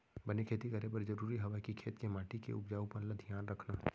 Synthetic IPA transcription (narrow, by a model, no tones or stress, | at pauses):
bɐnekʰeːt̪ikɐɾepɐɾd͡ʒɐɾuːɾiɦɐʋakikʰeːt̪kemaːʈikḛʊpd͡ʒaːũpɐɾlɐd̪ʱjaːnɾɐkʰnaː